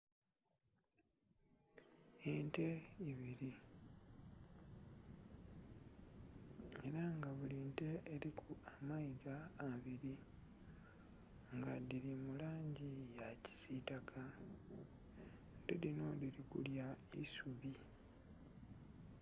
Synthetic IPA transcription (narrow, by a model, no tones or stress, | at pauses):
ente̞iβiɾi | e̞ɾaŋɡaβulinte̞ːɾikʰuamaizaːβiɾi | ŋɡadiɾimulaːɲɟijaci̥sitakʰa | ndedino̞diɾikṵljaisuβi